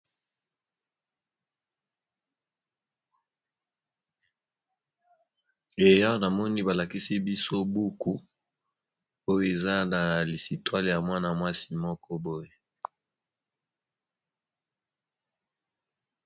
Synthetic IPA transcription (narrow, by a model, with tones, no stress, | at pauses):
e˨ja˦o˦na˨mɔ˦ni˦ba˨la˨ki˦si˦bi˦so˦bu˦ku˦ | o˦jo˨e˨za˦na˨li˨si˨twa˦lja˨mwa˦na˨mwa˦si˦mɔ˦kʰɔ˦bo˦je˨